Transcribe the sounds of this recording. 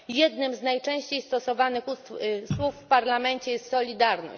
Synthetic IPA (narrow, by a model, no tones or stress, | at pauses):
jɛd̪nɘmznajt͡ʂɛ̃w̃ɕt͡ɕejst̪ɔsɔvanɘxusswufːpaɾlamɛɲt͡ɕɛjɛst̪sɔlʲid̪aɾnɔ̰ɕt͡ɕ